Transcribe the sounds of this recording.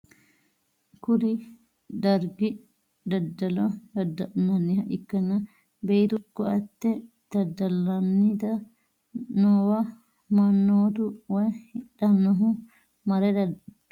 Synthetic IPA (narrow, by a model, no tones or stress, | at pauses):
kʊli | d̪ɐɾɡi | d̪ɐd̪ːɐlɔjɐd̪ɐnɐnːihɐʔɪkːɐnɐ | bɛjt̪ukːɔɐt̪ːɛ | d̪̥ɐd̪ːɐlɐnːit̪ɐ | nɔwɐ | mɐnːoːt̪uwɐjhɪᶑɐnːɔɦʊ | mɐɾɛd̪ɐ